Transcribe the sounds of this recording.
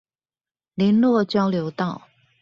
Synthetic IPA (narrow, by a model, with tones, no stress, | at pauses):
li˧˥nlwɔ˥˨t͡ɕjɑ˥ʊljo˧˥ʊt̪ɑ˥˩ʊ